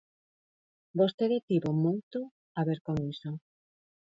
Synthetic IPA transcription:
bost̪eðet̪iβomojt̪o | aβeɾkoŋiso

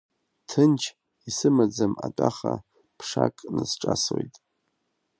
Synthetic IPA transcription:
tʰɨnt͡ʃʰ | isɨmad͡zamat͡pʼaχa | pʰʂakʼnɨsʈ͡ʂʼaswoejtʼ

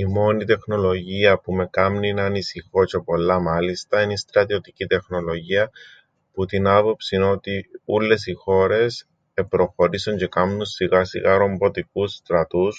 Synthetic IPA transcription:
imo̞nit̪e̞xno̞lo̞ʝiɐpume̞kɐmninɐnisixo̞ce̞po̞lːɐmɐlist̪ɐinist̪ɾɐt̪io̞t̪icit̪e̞xno̞lo̞ʝiɐ | put̪inɐpo̞psino̞t̪iulːe̞sixo̞ɾe̞s | epɾo̞xo̞ɾisoɲɟe̞kɐmnunsiɣɐsḭɣɐɾo̞mbo̞t̪ik̚ust̪ɾɐt̪us

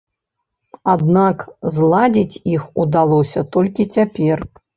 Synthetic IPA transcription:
ad̪nakzlˠad͡zʲit͡sʲixud̪alˠɔsʲɐt̪ɔlʲkʲit͡sʲapʲɛr

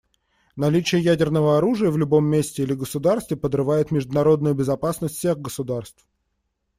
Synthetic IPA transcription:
nɐlʲit͡ɕɪjəjædʲɪrnəvəɐɾuʐɨjəvlʲʊbo̞mːʲesʲtʲɪilʲɪɡəsʊd̪arst̪vʲɪpəd̪rɨvajɪt̪mʲɪʐd̪ʊnɐɾo̞d̪nʊjʊbʲɪzɐpasnəsʲtʲfsʲe̞ɣɡəsʊd̪arst̪f

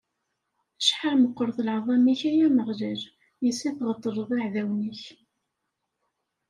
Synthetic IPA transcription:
əʃħaɾməqːəɾˤθlʕðˤɑmiçæjæməʁləɾ | jəsːiθʁət̪ˤːəɾˤəðˤaʕðæwnəç

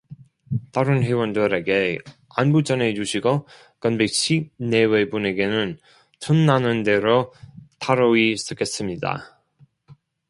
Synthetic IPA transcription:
t͈aɾɯnɦewʌndɯɾe̞ɡe̞ | anbud͡ʑ͈ʌne̞d͡ʑuɕʰiɡo | kʌnbeɕʰine̞we̞bune̞ɡe̞nɯn | tʰɯnːanɯnde̞ɾotʰaɾois͈ʰɯk͈e̞s͈ɯmɲida̰

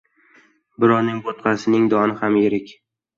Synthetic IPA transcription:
bɪɾɒɾnɪŋbot̪̚qʰɑsɪnɪŋd̪ɒnɪhamjeɾɪkʲ

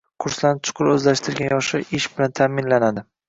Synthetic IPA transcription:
qʰʊɾslanɪt͡ʃʰʊ̥qʰʊɾɵzlaʃt̪ʰɪɾɡʲanjɒʃɪɪʃbɪlant̪ʰamɪnlanad̪ɪ

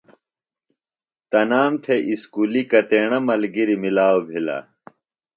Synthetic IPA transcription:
t̪ɐnaːmt̪ʰeʔiskuːlikɐt̪eːɳɐmɐlɡiɾimilaːobʱilɐ̰

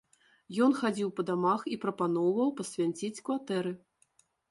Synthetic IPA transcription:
jɔnxad͡zʲiwpɐd̪amaxipɾɐpan̪ɔwvɐwpɐsʲvʲanʲt͡sʲit͡sʲkvat̪ɛɾɨ

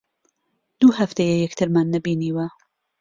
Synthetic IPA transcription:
d̪̥uːhɐft̪ɐjɛjɛkt̪ʰɨɾmanːɐbiːniːwɐ

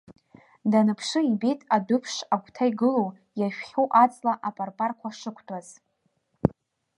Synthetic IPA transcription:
danɨpʰʂɨibejtʼadʊpʰʂakʷʰtʰajɡɨlow | jaʃᶣχʲoʔat͡sʼlaʔapʼarpʼarkʷʰaʂɨkʷʰtʰaz̥

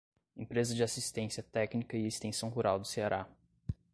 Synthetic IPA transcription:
ẽpɾezɐd͡ʒɪasist̪ẽsiɐt̪ɛknikɐɪest̪ẽsɐ̃w̃ɦuɾawd̪ʊseaɾa

